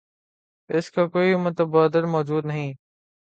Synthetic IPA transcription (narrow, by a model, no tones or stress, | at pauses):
ɪskʰãːkoːiʊmət̪əbaːd̪əɾmɔːd͡ʒuːd̪nɐɦĩː